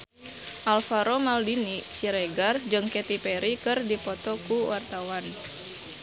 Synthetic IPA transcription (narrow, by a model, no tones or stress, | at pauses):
ʔalfaɾomaldinisiɾeɡard͡ʒɨŋkɛt̪ipeɾikɨrdipɔt̪ɔkuwart̪awan